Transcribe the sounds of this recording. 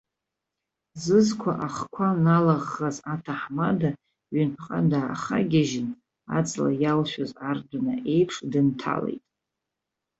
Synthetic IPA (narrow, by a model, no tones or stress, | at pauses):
zɨzkʷʰa̰ʔaχkʷʰanalaʁːazatʰaħmada | ɥʏnpʰqʼadaa̰χaɡʲaʒɪn | a̰t͡sʼla̰jalʃᶣozardanae̞jpʰʂdɨntʰa̰lḛjtʼ